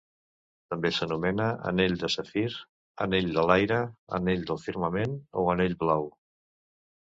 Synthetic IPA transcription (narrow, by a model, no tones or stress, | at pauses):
t̪əmbesənumɛnəʔə̰neʎd̪əsəfiɾ | ə̰neʎd̪əlajɾəə̰neʎd̪əlˠfiɾməmenoəneʎβlaw